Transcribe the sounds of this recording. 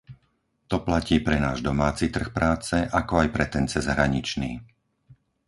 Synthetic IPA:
t̪ɔplaciːpɾɛnaːʒd̪ɔmaːt͡sit̪r̩xpɾaːt͡sɛʔakɔajpɾɛt̪ɛnt͡sɛzɦɾaɲit͡ʃniː

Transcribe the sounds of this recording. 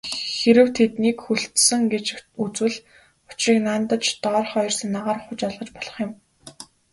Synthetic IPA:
xeɾɘ̆wt̪ʰet̪niːkxuɬt̪sə̆ŋɡet͡ɕut͡swɘ̆ɮ | ʊ̥t͡ɕriːknant̪ə̆t͡ɕt̪ɔːrχɔj̆rsə̆nːaʁaːrχʊt͡ɕɔɮʁə̆t͡ɕpɔɮ̥ɞ̆χjɪ̆m

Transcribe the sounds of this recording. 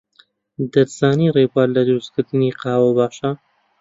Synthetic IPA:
d̪ɐɾz̥aːnirebaːɾlɐd̪ɨɾuskɨɾd̪ɨniːqɑːwɐbaːʃa

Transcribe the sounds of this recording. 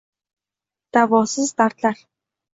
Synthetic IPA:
t̪apʊsə̆nst̪art̪ɮaːr

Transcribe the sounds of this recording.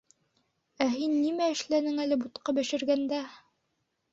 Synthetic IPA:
æɦinːimæɘ̆ʃlænɘŋælɘbut̪qɑbɘ̆ʃɘ̆ɾɡænd̪æ

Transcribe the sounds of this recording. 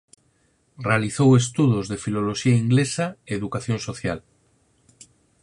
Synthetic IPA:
realiθowes̬t̪uðozðefilo̞loʃiaiŋɡlesaeeðukaθjonsoθja̰l

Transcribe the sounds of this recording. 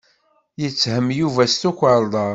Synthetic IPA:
jət͡sːhəmːjuvæst̪ukʷːəɾˤd̪ˤɑɾˤ

